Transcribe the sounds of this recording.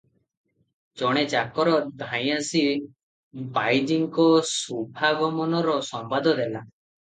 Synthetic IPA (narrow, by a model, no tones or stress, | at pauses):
t͡ʃɔɽ̃et͡ʃakɔɾɔd̪ʱãj̃asi | bajd͡ʒiŋkɔsubʱaɡɔmɔnɔɾɔsɔmbad̪ʱɔd̪ela